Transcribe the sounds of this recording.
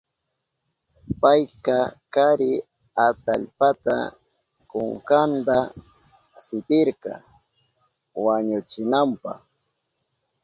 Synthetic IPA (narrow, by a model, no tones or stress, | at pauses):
pajkakaɾɪ | at̪aʎpat̪a̰ | koŋkand̪a | sɪpɪɾkɑ̰ | waɲʊt͡ʃɪnampɑ̰χ